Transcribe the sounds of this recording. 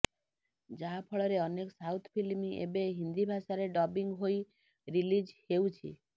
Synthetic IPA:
d͡ʒapʰɔɭɔɾeɔneksawt̪ʰpʰilmiʔḛbeɦind̪ibʱaʃaɾeɖɔbiŋɡɦoi | ɾilid͡ʒhewt͡ʃʰḭ

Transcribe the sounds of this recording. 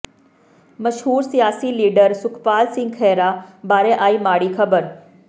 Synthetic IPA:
mɐʃɦuːɾsijaːsiliːɖəɾsʊkʰpaːlsɪ̃ŋɡxʰɛːɾabaːɾẽʔaːiːmaːɽikʰɐbəɾ

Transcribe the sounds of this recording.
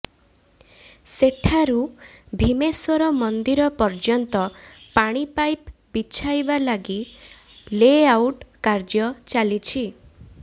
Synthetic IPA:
seʈʰaɾubʱimesɔɾɔmɔnd̪iɾɔpɔɾd͡ʒɔnt̪ɔ | paɽ̃ipajp | bit͡ʃʰajbalaɡi | leawʈkaɾd͡ʒɔt͡ʃalit͡ʃʰi

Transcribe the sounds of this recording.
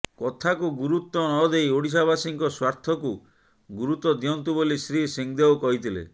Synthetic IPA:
kɔt̪ʰakuɡuɾut̪ɔnɔd̪ejoɽis̬abasiŋkɔswaɾt̪ʰɔku | ɡuɾut̪ɔd̪iɔnt̪ubolisɾisiŋd̪ewkɔɦit̪ʰilḛ

